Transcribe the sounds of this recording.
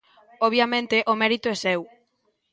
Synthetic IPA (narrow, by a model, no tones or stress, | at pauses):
oβjamẽnt̪eʔomɛɾit̪oɛsɛw